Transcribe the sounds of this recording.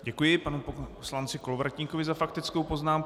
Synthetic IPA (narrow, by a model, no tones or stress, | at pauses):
ɟɛkujɪpanuposlant͡sɪkolovɾacɲiːkovɪzafakt̪ɪt͡skowpo̞znaːmk